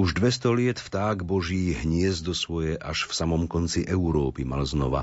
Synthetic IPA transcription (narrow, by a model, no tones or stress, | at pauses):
uʒd̪ʋɛst̪ɔlɪɛt̪ft̪aːɡbɔʒiːɦɲɪɛzd̪ɔsʋɔjɛʔaʃfsamɔmkɔnt͡siʔɛuɾɔːpima̰lznɔʋa̰